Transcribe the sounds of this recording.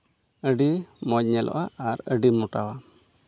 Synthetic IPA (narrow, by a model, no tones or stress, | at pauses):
əɖimɔc̚ɲɛlʔɔ̰ʔaːɾəɖimuʈawa